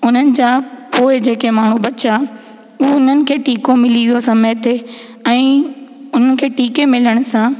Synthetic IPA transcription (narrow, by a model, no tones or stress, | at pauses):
ʊn̤ənɪ̆d͡ʑaːpoːɪd͡ʑeːkemaːɳ̤ubɐt͡ɕaː | ʊɦoʊn̤ənɪ̆kʰeːʈiːkomɪlijosɐ̃meːt̪ʰe | ɛ̃ːʊn̤ənɪ̆kʰeːʈiːkemɪləɽ̃sãː